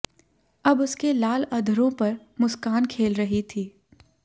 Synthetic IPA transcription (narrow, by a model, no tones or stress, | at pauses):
ɐbʊskelaːlɐd̪ʱəɾõpɐɾ | mʊskaːnkʰeːlɾɐɦit̪ʰiː